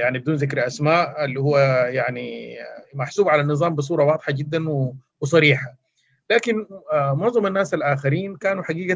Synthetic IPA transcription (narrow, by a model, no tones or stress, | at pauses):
jaʕnibd̪uːnzɪkɾʔasmaːʔɪlːihʊwːajaʕnimaħsuːbʕalanːɨzˤɑːmbɪs̬ˤuːɾˤɑwɑːd̪ˤħaɡɪd̪ːanwɪwɪsˤɑɾiːħa | laːkɪnmʊʕzˤɑmanːaːsalʔaːxaɾiːnkaːnuħaɡiːɡa